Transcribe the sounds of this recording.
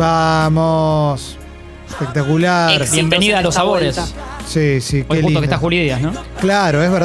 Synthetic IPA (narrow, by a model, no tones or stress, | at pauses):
bamos | ehpek̚t̪akulaɾbjembeniðalosaβoɾessisikoeluit̪oke̥st̪axuliðiasnoklaɾoezβeɾ